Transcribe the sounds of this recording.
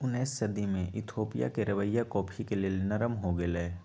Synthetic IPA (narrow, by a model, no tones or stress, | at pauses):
ʊnɛːsːɐd̪imẽʔɪt̪ʰoːpija̰keɾɐʋəjːakɔːpʰikelienɐɾəmɦoɡɐleː